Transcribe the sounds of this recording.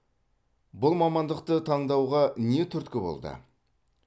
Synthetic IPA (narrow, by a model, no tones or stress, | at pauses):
bʊlˠmɑmɑnd̪əq̚t̪ət̪ʰɑɴd̪ɑwʁɑne̞t̪ʰʏɾt̪kʲɪbo̞̰lˠd̪ə̰